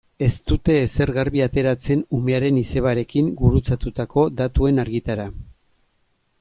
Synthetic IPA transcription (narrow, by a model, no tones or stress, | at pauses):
e̞st̪ut̪e̞ːse̞ɾɣaɾβiat̪e̞ɾat͡se̞nume̞aɾe̞nise̞β̞aɾe̞kiŋɡuɾut͡sat̪ut̪ako̞d̪at̪ue̞naɾɣit̪aɾa